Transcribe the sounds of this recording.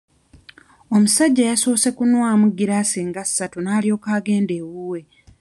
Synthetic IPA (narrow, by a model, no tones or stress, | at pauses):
o̞musaɟːajaso̞ːse̞kunwaːmuɡiɾaːsiːŋɡasːatunaːlijo̞ːkaːɡe̞ːnde̞ːwuːwe̞